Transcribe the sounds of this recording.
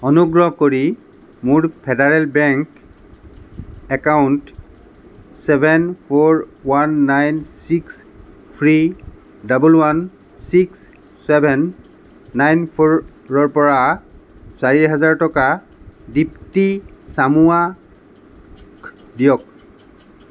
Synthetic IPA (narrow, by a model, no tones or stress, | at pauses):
ɔnuɡɹɔɦkoɹi | mʊɹpʰɛdaɹɛlbɛŋk | ɛkawnt | sɛbʱɛnpʰoɹwanːajnsiks | pʰɹi | dabulwan | siksː | ɛbʱɛnː | ajnpʰɔɹ | ɹɔɹpɔɹa | saɹiɦazaɹtɔka | diptisamua | k | dijɔk̚